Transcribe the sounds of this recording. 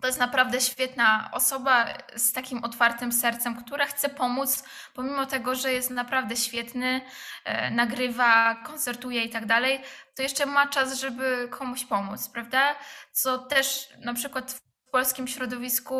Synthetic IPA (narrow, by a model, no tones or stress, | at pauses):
t̪ɔjɛst̪napɾavd̪ɛɕfʲjɛt̪naɔ̰sɔbast̪akʲimɔt̪faɾt̪ɘmsɛɾt̪sɛmkt̪uɾaxt̪sɛpɔmut̪s | pɔmʲimɔt̪ɛɡɔʐɛjɛst̪napɾavd̪ɛɕfʲjɛt̪nɘ | naɡɾɘvakɔnt̪sɛɾt̪ujɛit̪aɡd̪alɛjt̪ɔjɛʂt͡ʂɛmat͡ʂasʐɛbɘkʰɔmuɕpɔmut̪spɾavd̪at̪sɔt̪ɛʂnapʂɘkwat̪f | pɔlskʲimɕɾɔd̪ɔvʲisku